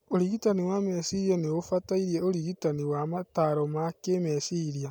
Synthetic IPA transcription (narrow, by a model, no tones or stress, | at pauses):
oɾiɣitaniwamesiɾianeofataiɾieoɾiɣitaniwamataɾomakemesiɾia